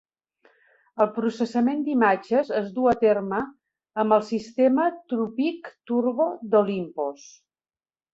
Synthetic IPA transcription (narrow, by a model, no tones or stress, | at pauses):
əlˠpɾusəsəmend̪imad͡ʒəzəzd̪uət̪erməː | mbəlˠsist̪emət̪ɾupikt̪urβod̪ulimpos